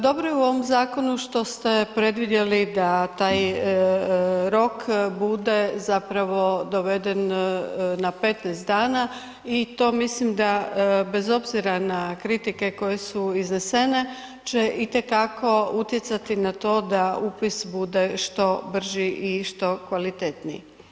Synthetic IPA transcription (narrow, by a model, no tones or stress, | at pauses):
d̪o̞bɾojeuo̞ʋomzaːko̞nuʃt̪o̞st̪e̞pɾe̞d̪ʋid̪je̞lid̪at̪aːj | ɾo̞kbud̪e̞zapɾaʋo̞d̪o̞ʋe̞d̪e̞n | nape̞t̪nast̪d̪aːna | it̪o̞ːmislimd̪abe̞zo̞bziɾanakɾit̪ike̞ko̞je̞suiznese̞ne̞ | t͡ʃeʔit̪e̞kakʰo̞ut̪je̞t̪sat̪inat̪o̞ːd̪aupisbud̪e̞ʃt̪o̞br̩ʒiʔiʃt̪o̞kʋalit̪e̞t̪nḭ